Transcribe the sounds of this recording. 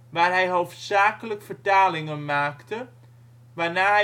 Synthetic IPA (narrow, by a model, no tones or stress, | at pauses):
ʋaːrɦɛjɦowftsaːkələkfərtaːlɪŋənmaːktə | ʋaːnaː